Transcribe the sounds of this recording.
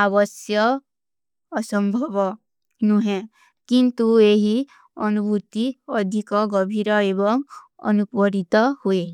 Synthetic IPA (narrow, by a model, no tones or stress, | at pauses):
abɔsjɔː | sɔmbʱɔbɔ | nuɦẽ | kint̪ueɦi | ɔnubʱut̪iɔd̪ʱikɔɡɔbʱiɾɔebɔŋ | ɔ̰nupɔɾit̪ɔhue